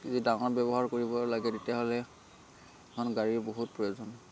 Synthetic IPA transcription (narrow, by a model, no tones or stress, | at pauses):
kizidaŋɔɹbɛbɔɦaɹkoɹibɔlaɡɛdetijaɦolɛ | ɛkʰɔnɡaɹiɹboɦut̚pɹɔjozɔn